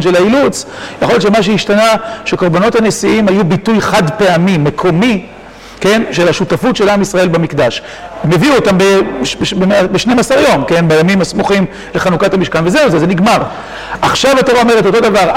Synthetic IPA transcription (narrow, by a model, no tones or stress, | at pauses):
nʃelailut͡sjaχojott͡ʃʃemaʃ̬eiʃtanaʃeko̞ʁbono̞thane̞siimhajubitujχad̪pe̞amimekʰo̞mi | ke̞nʃe̞lhaʃutafutʃe̞lamisʁae̞lbamikd̪aʃ | me̞viuot̪ambebembeʃnemasaʁjo̞mke̞nbejamimasmuχim | leχanukatamiʃkanvezeuzezeniɡmaʁ | aχʃavato̞ʁao̞me̞ʁet̬o̞to̞d̪avaʁ